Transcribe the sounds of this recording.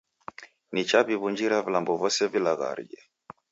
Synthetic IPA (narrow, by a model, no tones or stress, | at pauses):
nit͡ʃaβiβuɲd͡ʒiɾavilambɔvɔsɛvilaɣa̰ɾḭd͡ʒɛ